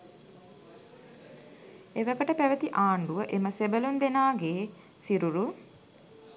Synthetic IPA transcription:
eʋəkəʈəpæʋət̪iʔaːɳɖuʋəʔeməsebəlund̪enaːɡeː | siɾuɾu

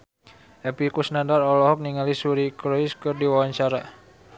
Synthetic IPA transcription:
ɛpikusnadarɔlɔɦɔk̚niŋalisuɾikɾɔiskɨrdiwawaɲt͡ʃaɾa

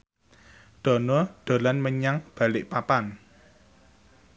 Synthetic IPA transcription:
ɖ̪̥ɔ̤nɔɖ̪̥o̤lanməɲaŋb̥ä̤lɪʔpapan

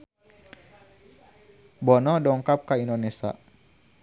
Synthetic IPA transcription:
bɔnɔdɔŋkap̚kaindonesa̰

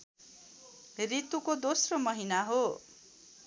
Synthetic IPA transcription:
rit̪ukod̪osromʌɦinaɦo

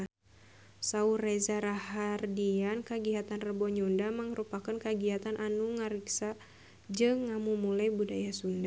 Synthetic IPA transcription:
saurezaɾahardiankəɡiɦat̪anrəbɔɲundaməŋəɾupakənkəɡiat̪anʔanuŋaɾiksa | d͡ʒɨŋːamumulajbudajasunda

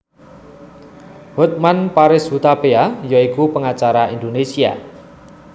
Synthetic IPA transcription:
hot̪̚manpaɾɪsɦut̪apeajaikupəŋat͡ʃaɾaind̪onesia̰

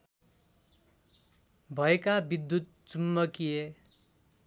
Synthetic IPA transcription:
bʱʌekabid̪ːut̪̚t͡sumːʌkije

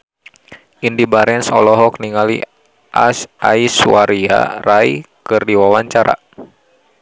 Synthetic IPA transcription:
ʔindibaɾɛnsɔ̰lɔɦɔk̚niŋalḭ | ʔa̰sa̰isuwaɾia̰raikɨrdiwawaɲt͡ʃaɾa̰

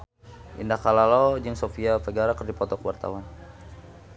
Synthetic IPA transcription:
ʔḭndakalalod͡ʒɨŋsofiafəɡaɾakərdipɔt̪ɔkəwart̪a̰wan

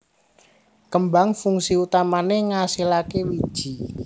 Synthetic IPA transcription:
kəmbaŋfuŋsiut̪amaneŋasilakewid̥ʒ̥i

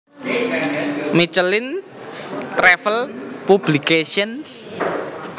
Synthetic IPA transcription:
mit͡ʃəlɪn | t̪ɾɛfəlpub̥likeʃiəns

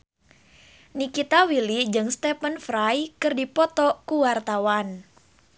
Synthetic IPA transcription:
nikit̪awilid͡ʒɨŋst̪ɛpənfɾajkɨrdipɔt̪ɔkuwart̪awan

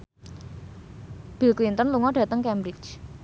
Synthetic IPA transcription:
b̥i̤lklint̪ənluŋɔɖ̥ä̤t̪əŋkɛmɾɪt͡ʃ

